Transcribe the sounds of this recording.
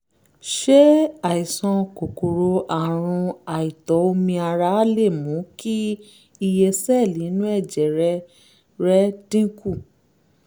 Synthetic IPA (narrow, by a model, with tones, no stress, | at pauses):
ʃe˦a˨i˨sɔ̃˧ko˨ko˨ɾo˧ʔa˨ɾ̃ũ˧a˨i˨tɔ˨˦o˧mĩ˧a˧ɾa˧˦a˦le˦˨mũ˨˦ki˦ | i˧je˧sɛ˦˨lĩ˨˦nũ˦ɛ˦˨d͡ʒɛ˨ɾɛ˦ | ɾɛ˦dĩ˦ku˦˨